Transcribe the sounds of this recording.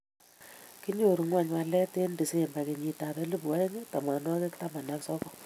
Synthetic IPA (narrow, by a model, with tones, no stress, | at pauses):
ki˦ɲo˨ɾu˨˦ŋwa˦˨ɲwa˧lɛ˦te˦ndi˨se˦˨mba˨ke˨ɲi˨ta˨bɛ˦lu˦pa˦e˦ŋe˦ta˨ma˨nɔ˦ke˦kta˦ma˨na˦ksɔ˦kɔ˦